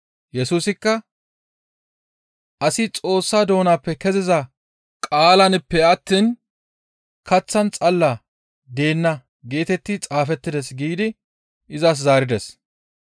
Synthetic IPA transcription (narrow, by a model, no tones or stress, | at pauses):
jɛsuːsɪkːɐ | ʔɐsɪt͡sʼo̞ːsːaːd̪o̞ːnaːpːɛkɛzɪzɐ | kʼaːlɐnɪpːɛɐt̪ːiːn | kɐt͡sːɐnt͡sʼɐlːa | d̪e̞ːnːɐ | ɡe̞ːt̪ɛt̪ːɪt͡sʼaːfɛt̪ːɪd̪ɛsɡiːd̪ɪ | ʔɪzas̬zaːɾɪd̪ɛs